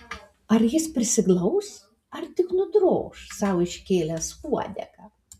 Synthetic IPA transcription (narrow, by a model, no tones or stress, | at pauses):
ɐɾjɪspʲɾʲɪsʲɪklˠɐʊs | ɐɾt̪ʲɪknʊd̪ɾo̰ːʃsɑˑʊɪʃʲkʲeːlʲɛskuɔd̪ʲɛ̰kɐ